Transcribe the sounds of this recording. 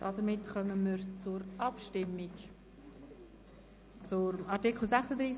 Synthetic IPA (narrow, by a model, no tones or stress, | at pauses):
d̥ɑdəɾmɪtχœməməɾt͡sʊɾɑpʃtɪmːik | t͡sʊɾmɑɾtikl̩sɛχsədɾiːs